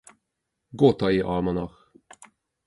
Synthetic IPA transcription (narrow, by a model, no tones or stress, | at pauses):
ɡoːt̪ɑiːʔɑːmɑnɑx